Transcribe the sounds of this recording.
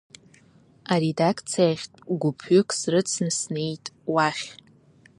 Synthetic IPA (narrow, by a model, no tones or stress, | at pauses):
aɾedakʰt͡sʰijaχʲtʼɡʷʊpʰʏkʰʼsrɨt͡sʰnɨsne̞jtʼwaχʲ